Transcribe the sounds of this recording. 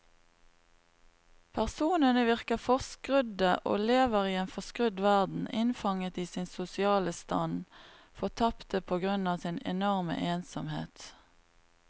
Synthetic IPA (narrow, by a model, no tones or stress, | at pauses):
pʰæʁsuːnənəʋɪʁkəfɔʁskʁʏd̪əʔo̰ːleːʋəʁiːeːnfɔʁskʁʉd̪ʋæʁd̪n̩ɪnfɑŋət̪iːsɪnsʊsɪɑːləst̪ɑ̰n | fɔt̪ʰɑpt̪əpʰoːɡʁʉnɑːsɪnɛ̰nɔʁmə̰ʔeːnsɔmhḛːt̪